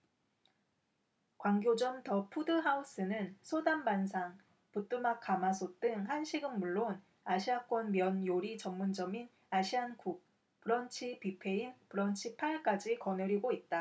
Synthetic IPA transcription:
kwaŋɡjod͡ʑʌmtʌpʰudɯɦaus͈ɯnɯnsʰodambans̬ʰaŋ | put͈umak͈ʰamasʰot͈ɯŋɦanɕʰiɡɯnmuɭːon | aɕʰiak͈wʌnmjʌnjoɾit͡ɕʌŋmund͡ʑʌmin | aɕʰiankuk̚ | pɯɾʌnt͡ɕʰipipʰe̞inpɯɾʌnt͡ɕʰipʰaɭk͈ad͡ʑikʌnɯɾiɡoit̚t͈a

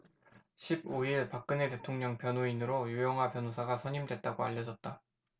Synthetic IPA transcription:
ɕʰib̚oiɭpak̚k͈ɯne̞te̞tʰoŋɲʌŋpjʌnoinɯɾojujʌŋɦwapjʌnosʰaɡasʰʌɲimdwe̞t̚t͈aɡoaʎːʌd͡ʑʌt̚t͈a

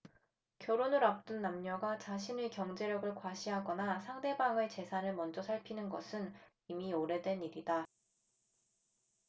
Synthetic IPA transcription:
kjʌɾonɯɾap̚t͈ɯnːamɲʌɡat͡ɕaɕʰinekjʌŋd͡ʑe̞ɾjʌɡɯɭkwaɕʰiɦaɡʌnasʰaŋde̞baŋet͡ɕe̞sʰanɯɭmʌnd͡ʑʌsʰaɭpʰinɯnɡʌ̰sʰɯn | imioɾe̞dwe̞niɾida

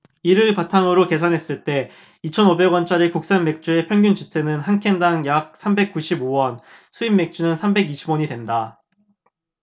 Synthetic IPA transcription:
iɾɯɭpatʰaŋɯɾoke̞sʰanɦe̞s͈ɯɭt͈e̞ | it͡ɕʰʌnobe̞ɡwʌnt͡ɕ͈aɾikuk̚s͈anme̞k̚t͡ɕ͈ue̞pʰjʌŋɡʲunt͡ɕut͡ɕʰe̞nɯnɦankʰe̞ndaŋjak̚s͈ʰambe̞k͈uɕʰibowʌn | sʰuimːe̞k̚t͡ɕ͈unɯnsʰambe̞ɡiɕʰibwʌɲidwenda

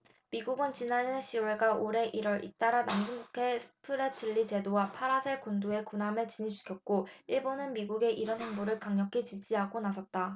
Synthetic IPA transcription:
miɡuɡɯnt͡ɕinaneɕʰioɭeɡaʔoɾe̞ʔiɾwʌɾʔḭt͈aɾanand͡ʑɯŋbukʰe̞sʰɯ̥pʰɯɾetʰɯʎːit͡ɕe̞dowapʰaɾasʰeɭkundoe̞kunamɯɭt͡ɕiɲit͡ɕʰu̥kʰʌk̚k͈oiɭbonɯnmiɡuɡe̞ʔiɾʌnɦeŋboɾɯɭkaŋɲʌkʰit͡ɕid͡ʑiɦaɡonasʰʌt̚t͈a

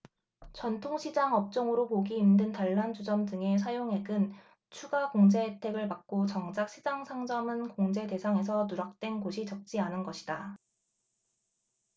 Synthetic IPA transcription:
t͡ɕʌntʰoŋɕʰid͡ʑaŋʌp̚t͡ɕ͈ʌŋɯɾopoɡiːmdɯntaɭːand͡ʑud͡ʑʌmdɯŋe̞s̬ʰajoŋe̞ɡɯn | t͡ɕʰuɡakoŋd͡ʑe̞tʰe̞ɡɯɭpak̚k͈ot͡ɕʌŋd͡ʑak̚ɕ͈ʰid͡ʑaŋsʰaŋd͡ʑʌmɯnkoŋd͡ʑe̞de̞sʰaŋe̞s̬ʰʌnuɾak̚t͈we̞nɡoɕʰit͡ɕʌk̚t͡ɕ͈ianɯnɡʌɕʰida

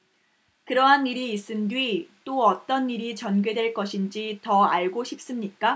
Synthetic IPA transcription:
kɯɾʌɦaniɾiːs͈ɯndwɥit͈oʌt͈ʌniɾit͡ɕʌnɡɥe̞dwe̞ɭk͈ʌɕʰind͡ʑitʌaɭɡoɕʰip̚s͈ɯmɲik͈a

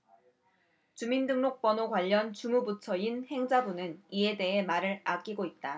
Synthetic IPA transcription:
t͡ɕumindɯŋnok̚p͈ʌnokwaʎːʌnt͡ɕumubutʰʌinhe̞ŋd͡ʑabunɯnie̞de̞ɦe̞maɾɯɾak͈iɡoit̚t͈a

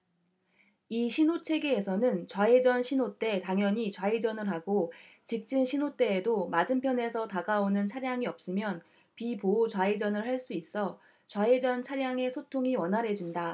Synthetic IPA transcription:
iɕʰinot͡ɕʰe̞ɡeːsʰʌnɯnt͡ɕwaed͡ʑʌnɕʰinot͈e̞taŋjʌɲit͡ɕwaid͡ʑʌnɯɭɦaɡot͡ɕik̚t͡ɕ͈inɕʰinot͈e̞ːdomad͡ʑɯmpʰjʌne̞sʰʌtaɡaonɯnt͡ɕʰaɾjaŋiʌp̚s͈ɯmjʌn | pipoːt͡ɕwaid͡ʑʌnɯɭhaɭs͈uis͈ʌ | t͡ɕwaed͡ʑʌnt͡ɕʰaɾjaŋe̞sʰotʰoŋiwʌnɦaɾɦe̞d͡ʑunda

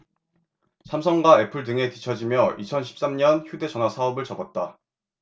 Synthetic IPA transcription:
sʰamsʰʌŋɡwae̞pʰɯɭdɯŋetit͡ɕʰʌd͡ʑimjʌʔit͡ɕʰʌnɕʰi̥p̚s͈amɲʌnçjude̞t͡ɕʌnwasʰaʌbɯɭt͡ɕʌbʌt̚t͈a

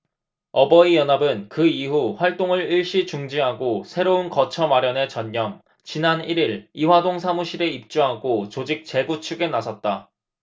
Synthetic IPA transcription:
ʌbʌijʌnabɯnkɯiɦuɸwaɭt͈oŋɯɭiɭɕ͈it͡ɕuŋd͡ʑiɦaɡosʰe̞ɾounkʌt͡ɕʰʌmaɾjʌne̞t͡ɕʌɲɲʌm | t͡ɕinaniɾiɾiwadoŋsʰamuɕʰiɾe̞ip̚t͡ɕ͈uɦaɡot͡ɕod͡ʑik̚t͡ɕe̞ɡut͡ɕʰuɡe̞nasʰʌt̚t͈a

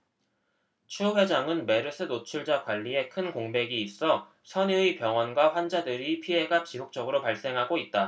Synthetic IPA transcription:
t͡ɕʰuɸwe̞d͡ʑaŋɯnme̞ɾɯsʰɯnot͡ɕʰuɭd͡ʑakwaʎːie̞kʰɯnkoŋbe̞ɡiːs͈ʌ | sʰʌnɯipjʌŋwʌnɡwaɸwand͡ʑadɯɾipʰiɦe̞ɡat͡ɕisʰok̚t͡ɕ͈ʌɡɯɾopaɭs͈e̞ŋɦaɡoit̚t͈a

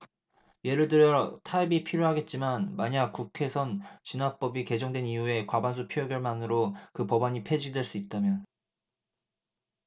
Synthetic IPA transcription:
je̞ɾɯɭdɯɾjʌtʰaibipʰiɾjoɦaɡe̞t̚t͡ɕ͈imanmaɲak̚k͈ukʰe̞sʰʌnt͡ɕinap͈ʌbike̞d͡ʑʌŋdwe̞niue̞kwabans̬ʰupʰjojoɡjʌɭmanɯɾokɯpʌbaɲipʰe̞d͡ʑidwe̞ɭs͈uit̚t͈amjʌn

